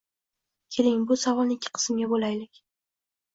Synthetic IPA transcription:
kʲʰe̞lɪŋbʊsavɒlˠnɪkʲʰːɪ̥qʰɨ̥sɪmɡʲabolajlɪkʲ

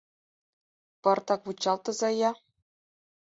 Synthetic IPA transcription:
pɤ̆rt̪ɑkʋut͡ɕːɑlˠt̪ɤ̆zɑjɑ

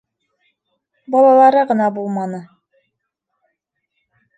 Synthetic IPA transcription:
bɑlˠɑlˠɑɾɤʁɤ̆nɑbulˠmɑnɤ

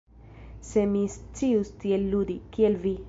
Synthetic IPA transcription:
se̞mist͡siust̪ielːud̪ikielvi

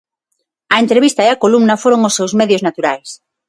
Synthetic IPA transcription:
ɐent̪ɾeβ̞ist̪aeakolumnɐfoɾoŋosːewzmeðjoznat̪uɾajs

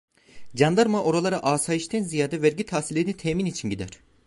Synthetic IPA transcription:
d͡ʒand̪aɾmaʔo̞ɾalˠaɾaʔaːsaiʃt̪ʰɛnzijaːd̪ɛvæɾɟit̪ʰasilʲeinit̪ʰɛːminit͡ʃʰinɟid̪æɾ̝̥

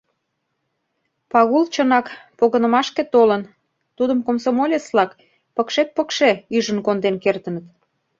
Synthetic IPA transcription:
pɑɣult͡ɕənɑkpoɣənə̆mɑʃket̪olən | t̪ud̪əmkomsomolʲeslɑk | pəkʃet̪̚pəkʃeyʒə̆nkond̪enkert̪ənət̪

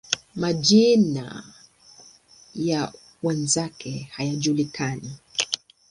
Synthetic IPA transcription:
maʄina̰ | ja | wɛnzakʰɛhajaʄulikani

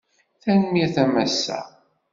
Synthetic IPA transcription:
θænmiθæmæsːæ̰

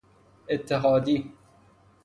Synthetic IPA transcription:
ʔet̪ʰːeɦɑːd̪iː

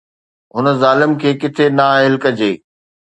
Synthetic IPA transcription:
ɦʊnəzaːlɪmkʰeːkɪt̪ʰenaːɦɪlkəd͡ʑeː

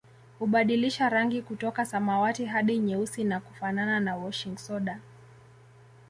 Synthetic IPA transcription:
huɓaɗiliʃaɾaŋɡikutɔkasamawatiɦaɗiɲɛusinakufanananawɔʃiŋɡsɔɗa

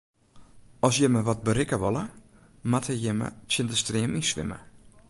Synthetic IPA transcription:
ɔsjəməʋɔt̚bəɾɪkəʋɔlˠə | mathəjɪmə̰tjɪntəstrɪəmisʋɪ̰mə̰

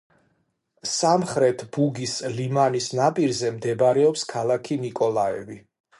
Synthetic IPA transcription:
samχɾɛt̪ʰb̥uɡislimanisnapʼiɾzɛmd̪ɛbaɾɛɔpskʰalˠakʰinikʼɔlˠaɛ̰vi

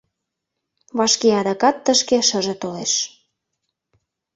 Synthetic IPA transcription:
βɑʃkeɑd̪ɑkɑt̪ːəʃkeʃə̆ʒĕt̪oleʃ

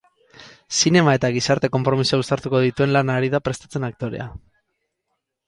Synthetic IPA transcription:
sine̞mae̞t̪aɣ̞isaɾt̪e̞ko̞mpɾo̞misuaust̪aɾt̪uko̞ð̞it̪ue̞nlanaɾiðapɾe̞st̪ḁt͡se̞nak̚t̪o̞ɾe̞̰a̰

